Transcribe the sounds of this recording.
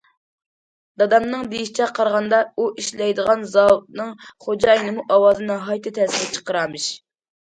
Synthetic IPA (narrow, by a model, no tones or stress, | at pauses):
d̪ɑd̪ɑmnɨŋd̪ejiʃi̥t͡ʃʰɛqʰɑɾʁɑnd̪ɑuiʃlɛjd̪əʁɑnzɑnɨŋχod͡ʒɑːjinɨmuʔɑwɑːzɨnɨɦɑjt̪ʰɨt̪ʰɛsɪɾɛt͡ʃʰə̥qəɾɑmɨʃ